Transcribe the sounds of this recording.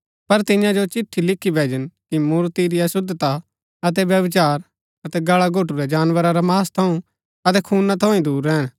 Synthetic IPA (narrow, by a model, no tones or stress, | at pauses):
pɐɾt̪ɪ̃jãd͡ʒot͡ʃɪʈʰːilɪkʰːibʱeːd͡ʒənkimuːɾt̪iɾiɐsʊd̪t̪a | ɐt̪̬ɛʋjɐʋɪt͡ʃaːɾ | ɐt̪ɛɡɐɭaɡʱoːʈuɾɛd͡ʒaːnʋəɾaɾamaːst̪ʰɐũ | ɐt̪̬ɛkʰuːnat̪ʰoːĩd̪uːɾːɛːñ